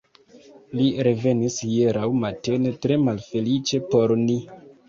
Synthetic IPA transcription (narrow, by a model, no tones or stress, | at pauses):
liɾe̞ve̞nisjeɾawmatene̞tɾe̞malfe̞lit͡ʃe̞po̞ɾni